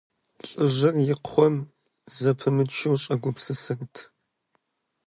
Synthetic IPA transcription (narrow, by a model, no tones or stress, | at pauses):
ɬʼɨʒɨrjɪqχʷɔm | zɐpʰɨmɨt͡ʃʰɪwɕʼɐɡʷʊpsɨsɨrtʰ